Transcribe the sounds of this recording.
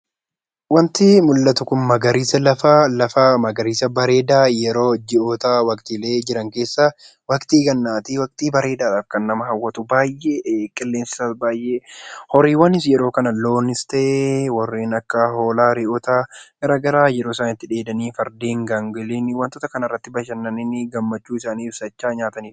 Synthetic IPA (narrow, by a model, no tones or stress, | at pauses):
wɐnt̪ɪmʊlːɐt̪ʊkʊmmɐɡɐɾiːsɐlɐfaːlɐfamɐɡɐɾiːsɐbɐɾe̞ːd̪aːjɛɾo̞ːd͡ʒɪʔɔt̪aːwɐkt̪ɪleːd͡ʒɪɾɐŋke̞ːsːa | wɐkt̪iːɡɐnːaːt̪iwɐk̚t̪iːbɐɾe̞ːd̪aːɾaːfkɐnːɐmɐɦɐwːɐt̪ʊbaːjːekʼɛlːeːnsɪ̥saːsbaːjʔeːhɔɾiːwɐnɪsjɛɾo̞ːkɐnɐlo̞ːnɪst̪ɛʔewɐrːeːnɐkːɐɦo̞ːlaːɾɪʔɔt̪aːɡɐɾɐɡɐɾaːjɛɾoːɪsaːnɪt̪ːɪᶑe̞ːd̪ɐniːfɐɾd̪eːŋɡaŋɡɪliːnwɐnt̪ot̪ɐkɐnɐrːɐt̪ːɪbɐʃɐnːɐnɪnɪɡɐmːɐt͡ʃːuːɪsaːniːɪfsɐt͡ʃːaːɲaːt̪ɐniːf